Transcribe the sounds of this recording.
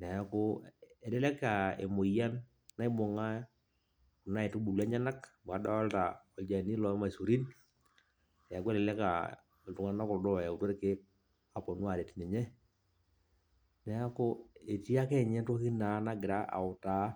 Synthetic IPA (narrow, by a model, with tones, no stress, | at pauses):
nɛ˨a˦kʊ˦ɛ˨lɛ˦lɛ˦ka˨ḛ˨mo˨ja˦n | na˦i˦bo˨ŋa˦ | ku˨na˦ɛ˨tu˦bu˨lɛ˦ɲa˦na˦km˨a˨˦da˦a˦lta˨ɔ˨d͡ʒa˨ni˦lɔ˨˦ma˨su˨ɾi˦n | nɛ˨a˨ku˦e˦lɛ˨lɛ˦ka̰˨ | tu˨ŋa˦na˦kɔ˨ɾdɔ˦˨ja˨u˨twa˦ɾke˦ | a˨pɔ˨nu˦a˨ɾɛ˨ti˦nɛ˨ɲɛ˦ | nɛ˨a˦kʊ˦e˨ti˦a˦kɛ˦˨ɲɛ˦to˦ki˦na˨˦na˦ɡɪ˨ɾa˦ʔa̰˨ʊ˨ta˨˦